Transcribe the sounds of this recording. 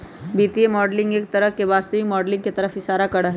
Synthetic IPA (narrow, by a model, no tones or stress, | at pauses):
biːt̪iemɔːɖlɪ̃ŋɡeːk̚t̪ɐɾəɦkebaːst̪əʋimɔːɖlɪ̃ŋɡket̪ɐɾəfɪsaːɾakɐɽaɦɛ